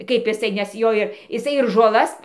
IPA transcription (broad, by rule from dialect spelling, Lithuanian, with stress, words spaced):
kɐɪp ɪˈsɐɪ nʲɛs ˈjoː ɪr ɪˈsɐɪ ɪr ʒoːˈlˠɐs